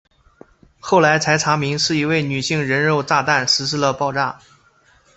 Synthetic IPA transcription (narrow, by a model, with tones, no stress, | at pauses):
xo˥˩ʊla˧˥ɪt͡sʰa˧˥ɪt͡sʰa˧˥mi˧˥ŋʂɻ̩˥˩i˧˥we˥˩ɪny˨˩ɕi˥˩ŋɻə˧˥nɻo˥˧ʊt̪a˥˧t̪a˥˩nʂɻ̩˧˥ʂɻ̩˥˧lə˨pɑ˥˧ʊʈ͡ʂa˥˩